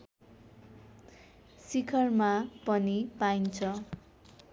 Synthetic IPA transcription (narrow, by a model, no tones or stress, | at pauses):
sikʰʌrmapʌnipaint͡sʰʌ